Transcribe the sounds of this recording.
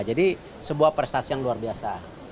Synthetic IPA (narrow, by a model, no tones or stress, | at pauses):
d͡ʒadi | səbuahpərst̪asijaŋluarbiasa̰